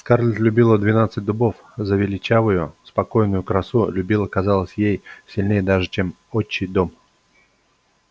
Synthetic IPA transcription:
skarlʲɪt̪lʲʊbʲilˠəd̪vʲɪnat̪sɨt̚ʲd̪ʊbo̞f | zəvʲɪlʲɪt͡ɕavʊjʊspɐko̞jnʊjʊkɾɐsulʲʊbʲilˠəkɐzalˠəsʲjejsʲɪlʲnʲejəd̪aʐɨt͡ɕe̞m | ot͡ɕːɪjd̪o̞m

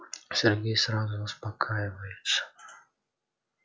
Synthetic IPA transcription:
sʲɛrɡʲejsɾazʊʊspakʰajɪvəjʊt̪sə̥

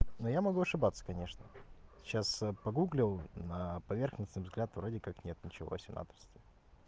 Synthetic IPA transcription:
nojamɐɡuɐʂɨbat̪sːə̥kɐnʲe̞ʂnə | ɕasəpɐɡuɡlʲɪlˠnəpɐvʲe̞rxnəsnɨjvzɡlʲat̪vɾo̞dʲɪkaknʲet̪nʲɪt͡ɕɪvo̞̰sʲɪna̰t̪ɾəsʲtʲɪ

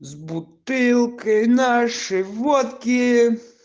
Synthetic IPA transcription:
zbʊt̪ɪlˠkɪnɑʃɪʋɔt̪kʲi

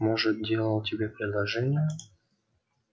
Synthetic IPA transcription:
moʐɨt̪̚dʲe̞lˠəlˠtʲɪbʲepɾʲɪd̪lˠɐʐɛnʲɪjə

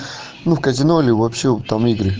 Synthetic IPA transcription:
nufkɐzʲɪnolʲɪvopɕet̪amiɡɾɨ

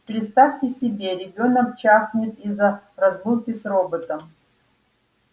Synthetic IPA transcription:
pɾʲɪt̪st̪afʲtʲɪsʲɪbʲe̞ɾʲɪbʲo̞nəkt͡ɕaxnʲɪt̪izərɐzlˠukʲɪsrobət̪əm

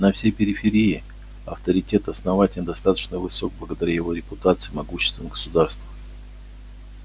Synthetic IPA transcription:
nɐfsʲejpʲɪɾʲɪfʲɪɾʲiɪ | ɐ̰ft̪əɾʲɪtʲe̞t̪ɐsnɐvatʲɪlʲnd̪ɐst̪at̪ə̥t͡ɕnəvɨsok̚blˠəɡəd̪ɐɾʲæjɪvo̞ɾʲɪpʊt̪at̪sɨjmɐɡuɕːɪ̥st̪vəmɡə̥sʊd̪arst̪və

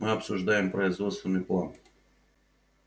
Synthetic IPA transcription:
mɨɔpsʊʒd̪ajɛmpɾɔɪzvɔt̪st̪vʲɛnɨjplˠan

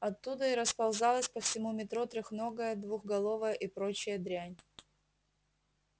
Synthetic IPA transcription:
ɐt̪ːud̪əɪɾəspɐlˠzɑlˠəsʲpəfsʲɪmumʲɪt̪ɾut̪ɾʲɪxnoɡəjəd̪vuxɡɐlˠovəjəʔipɾot͡ɕɪjəd̪ɾʲænʲ

